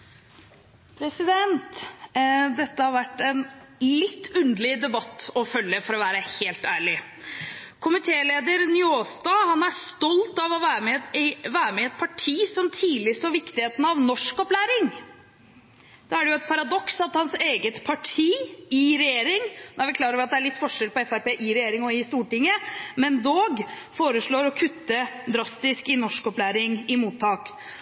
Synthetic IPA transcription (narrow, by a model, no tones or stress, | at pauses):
pʰɾɛsɪd̪ɛnt̪ | d̪ɛt̪ːəhɑɾʋæʈːɛnlɪt̪ːʉnd̪lɪd̪ɛbɑt̪ːɔfœljəfɔɾɔʋæːɾəheːlt̪æːɭɪ | kʰʊmɪt̪ʰeːleːd̪əɾnʏoːst̪ɑːhɑnæst̪ɔlt̪ɑʋɔʋæːɾmɛɪʋæːɾəmɛɛt̪̚pʰɑʈʰiːsɔmt̪ʰiːlɪsɔʋɪkt̪ɪheːt̪n̩ɑʋnɔʂkɔplæːɾɪŋ | d̪̥ɑæɖɛjʊɛt̪̚pʰɑɾɑd̪ɔksɑt̪hɑnseːɡət̪pʰɑʈʰiːɪɾɛjeːɾɪŋnɔæʋɪkʰlɑːɾəɔʋɾɑt̪d̪ɛæɾɭɪt̪ːfɔʂɛlpɔɛfæɾpeːʔɪɾɛjeːɾɪŋɔɪst̪uːʈɪŋːəmɛnd̪oːɡ | foːɾəʂɭoːɾɔkʰʉt̪ːəd̪ɾɑst̪ɪskɪnɔʂkɔplæːɾɪŋɪmuːt̪ʰːɑːk